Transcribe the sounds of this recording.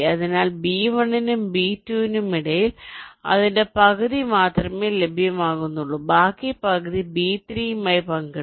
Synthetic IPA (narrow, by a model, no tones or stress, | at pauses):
ɐðinaːlbiːʋɐɳinumbiːtːuːinumiɽɐjilɐ̰ðinde̞pɐɣɐðimaːt̪rɐmeːlebʱjɐmaːɣunːuɭːubaːkːipɐɣɐðibiːt̪riːmɐːjpɐŋɡi